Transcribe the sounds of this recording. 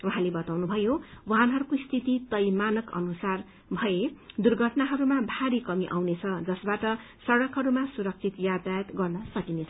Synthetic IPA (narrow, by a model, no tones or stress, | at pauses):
uɦãlebʌt̪awnubʱʌjowanɦʌɾukoist̪ʰit̪it̪ʌjmanʌkʌ̰nusar | bʱʌjed̪urɡʱʌʈnaɦʌɾumabʱaɾikʌmiʔa̰wnet͡sʰʌd͡zʌsbaʈʌ | sʌɽʌkɦʌɾumasuɾʌk̚t͡sʰit̪jad̪at̪ɡʌrnʌsʌkinet͡sʰʌ